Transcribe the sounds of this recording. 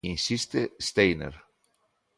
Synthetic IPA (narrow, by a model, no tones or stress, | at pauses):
insist̪əst̪ejnə̰ɾ